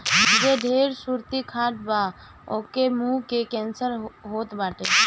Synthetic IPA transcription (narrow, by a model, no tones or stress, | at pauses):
d͡ʒeɖʱeːɾsuɾt̪ikʰaːʈba | okemukekẽːnsəɾɦoːt̪baːʈe